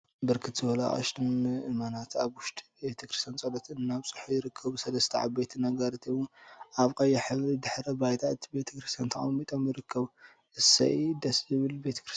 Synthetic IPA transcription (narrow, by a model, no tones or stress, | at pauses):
bɨɾkʰɨt̪z̥ɨbɐlaʔa̰ʃt̪ʰɨnɨmanat̪aβwʊʃt̪ʼi̥bet̪ʰɐkɾɨst̪ʰjant͡sʼɐd̪ɐt̪ʰɨnːaβsʼɨ̥ħujɪɾɨkʰːɐβusɐlɐst̪ʰɐʕa̰bet̪ʰnɐɡɐɾt̪ʰiwuʔaβkʼɐjːɐħɨβɾid̪ɨħɾɐbajt̪ʰat̪ʰbe̞t̪ʰɐ̥kɾist̪ʰjant̪ʰɐkʼɐmːit̪ʼomjɪɾɨkʰːɐβu | ʔɨsɐ̰ʔid̪ɐszɨβɨlbet̪ʰɐ̥kɾɨs